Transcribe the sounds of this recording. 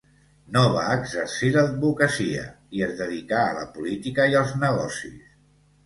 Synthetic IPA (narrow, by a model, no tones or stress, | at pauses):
noβaəɡzəɾsiləd̪̚βukəsiə̰ | iəzðəðikaə̰lə̰pulit̪ikəiəlˠznəɣ̞ɔsḭs